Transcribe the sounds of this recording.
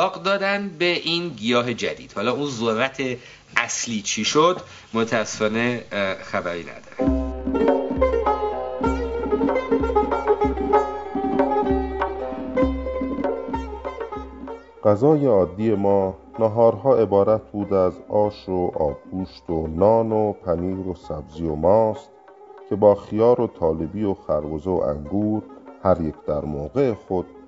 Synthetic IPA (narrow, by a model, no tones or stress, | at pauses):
ɒːqd̪ɒːd̪ænd̪be̞ʔiːnɡijɒːɦe̞d͡ʒæ̰d̪ḭːd̪̥hɒːlɒːuːnzoɾːæt̪ʰe̞ | ʔæsliːt͡ʃʰiʃod̪ | mot̪ʰææsːefɒːne̞xæbæɾiːnæ̰d̪ɒɾæn | ɢ̥æzɒːje̞ɒːd̪ːiːje̞mɒːnɑɦɒːɾɦɒːe̞bɒːɾæt̪ʰbuːd̪æzɒːʃoʔɒːb̚ɡuːʃt̪onɒːnopʰæniːɾo̞sæbzijomɒːst̪ | cʰe̞bɒːxijɒːɾo̞t̪ʰɒːle̞bijo̞xæɾɡozeo̰ʔæ̰ŋɡuːɾhæɾje̞cʰd̪̥æɾmoːɣe̞exo̞d̪̥